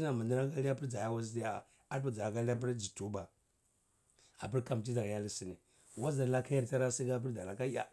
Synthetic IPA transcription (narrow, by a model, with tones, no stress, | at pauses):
i˦na˨ma˨di˦ɾa˦ŋka˦li˦a˦pi˦ɾd͡za˨ja˦wa˦zi˦ti˦a˨ | a˦pa˦d͡za˨a˨ka˦li˦a˦pi˦ɾd͡ʒi˨tu˦ba˨ | a̰˨pi˦ɾka˨m˨t̬i˦da˨ɡja˦li˦si˨ni˨ | wa˦za˨ɾla˦ka˦ja˦ɾta˦ɾa˦si˦ɡa˦p̬i˦da˨la˨ka˦ja̰˦